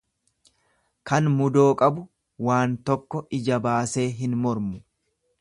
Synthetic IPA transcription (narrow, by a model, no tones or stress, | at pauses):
kɐnmʊd̪oːkʼɐbʊ | waːnt̪ɔkːɔɪd͡ʒɐbaːse̞ːɦɪnmɔɾmʊ